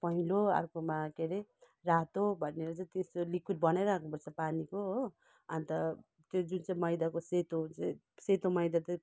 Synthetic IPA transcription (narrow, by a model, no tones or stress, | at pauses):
pʌɦiloa̰rkomakeɾe | rat̪obʱʌneɾʌt͡saj̃t̪est̪olikʰuʈ̚bʌnajɾakʰnupʌrt͡sʰʌpanikoɦo | ʌnt̪ʌ | t̪jod͡zunt͡saĩmʌjd̪akoset̪ot͡saĩ | set̪omʌjd̪at̪ʌj̃